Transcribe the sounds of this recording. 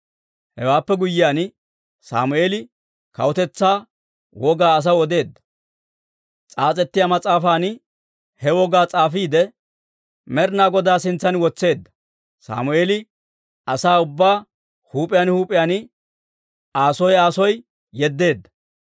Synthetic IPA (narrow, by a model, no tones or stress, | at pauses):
hɛ̰waːpːɛɡʊjːɪjaːn | sa̰ːmʊeːlɪ | kɐ̰wʊt̪ɛt͡sːaː | wɔɡaːɐs̬ɐwɔd̪e̞ːd̪ːɐ̥ | t͡sʼaːt͡sʼɛt̪ːɪjamɐt͡sʼaːfaːnɪ | hɛwɔɡaːt͡sʼaːfiːd̪ɛ | mɛɾnaːɡɔd̪aːsɪnt͡sːɐnwɔt͡sːe̞ːd̪ːɐ̥ | sa̰ːmʊeːlɪ | ɐsaːʊbːaː | huːpʼɪjaːnhuːpʼɪjaːnɪ | aːsɔjaːsɔj | jɛd̪ːe̞ːd̪ːɐ̥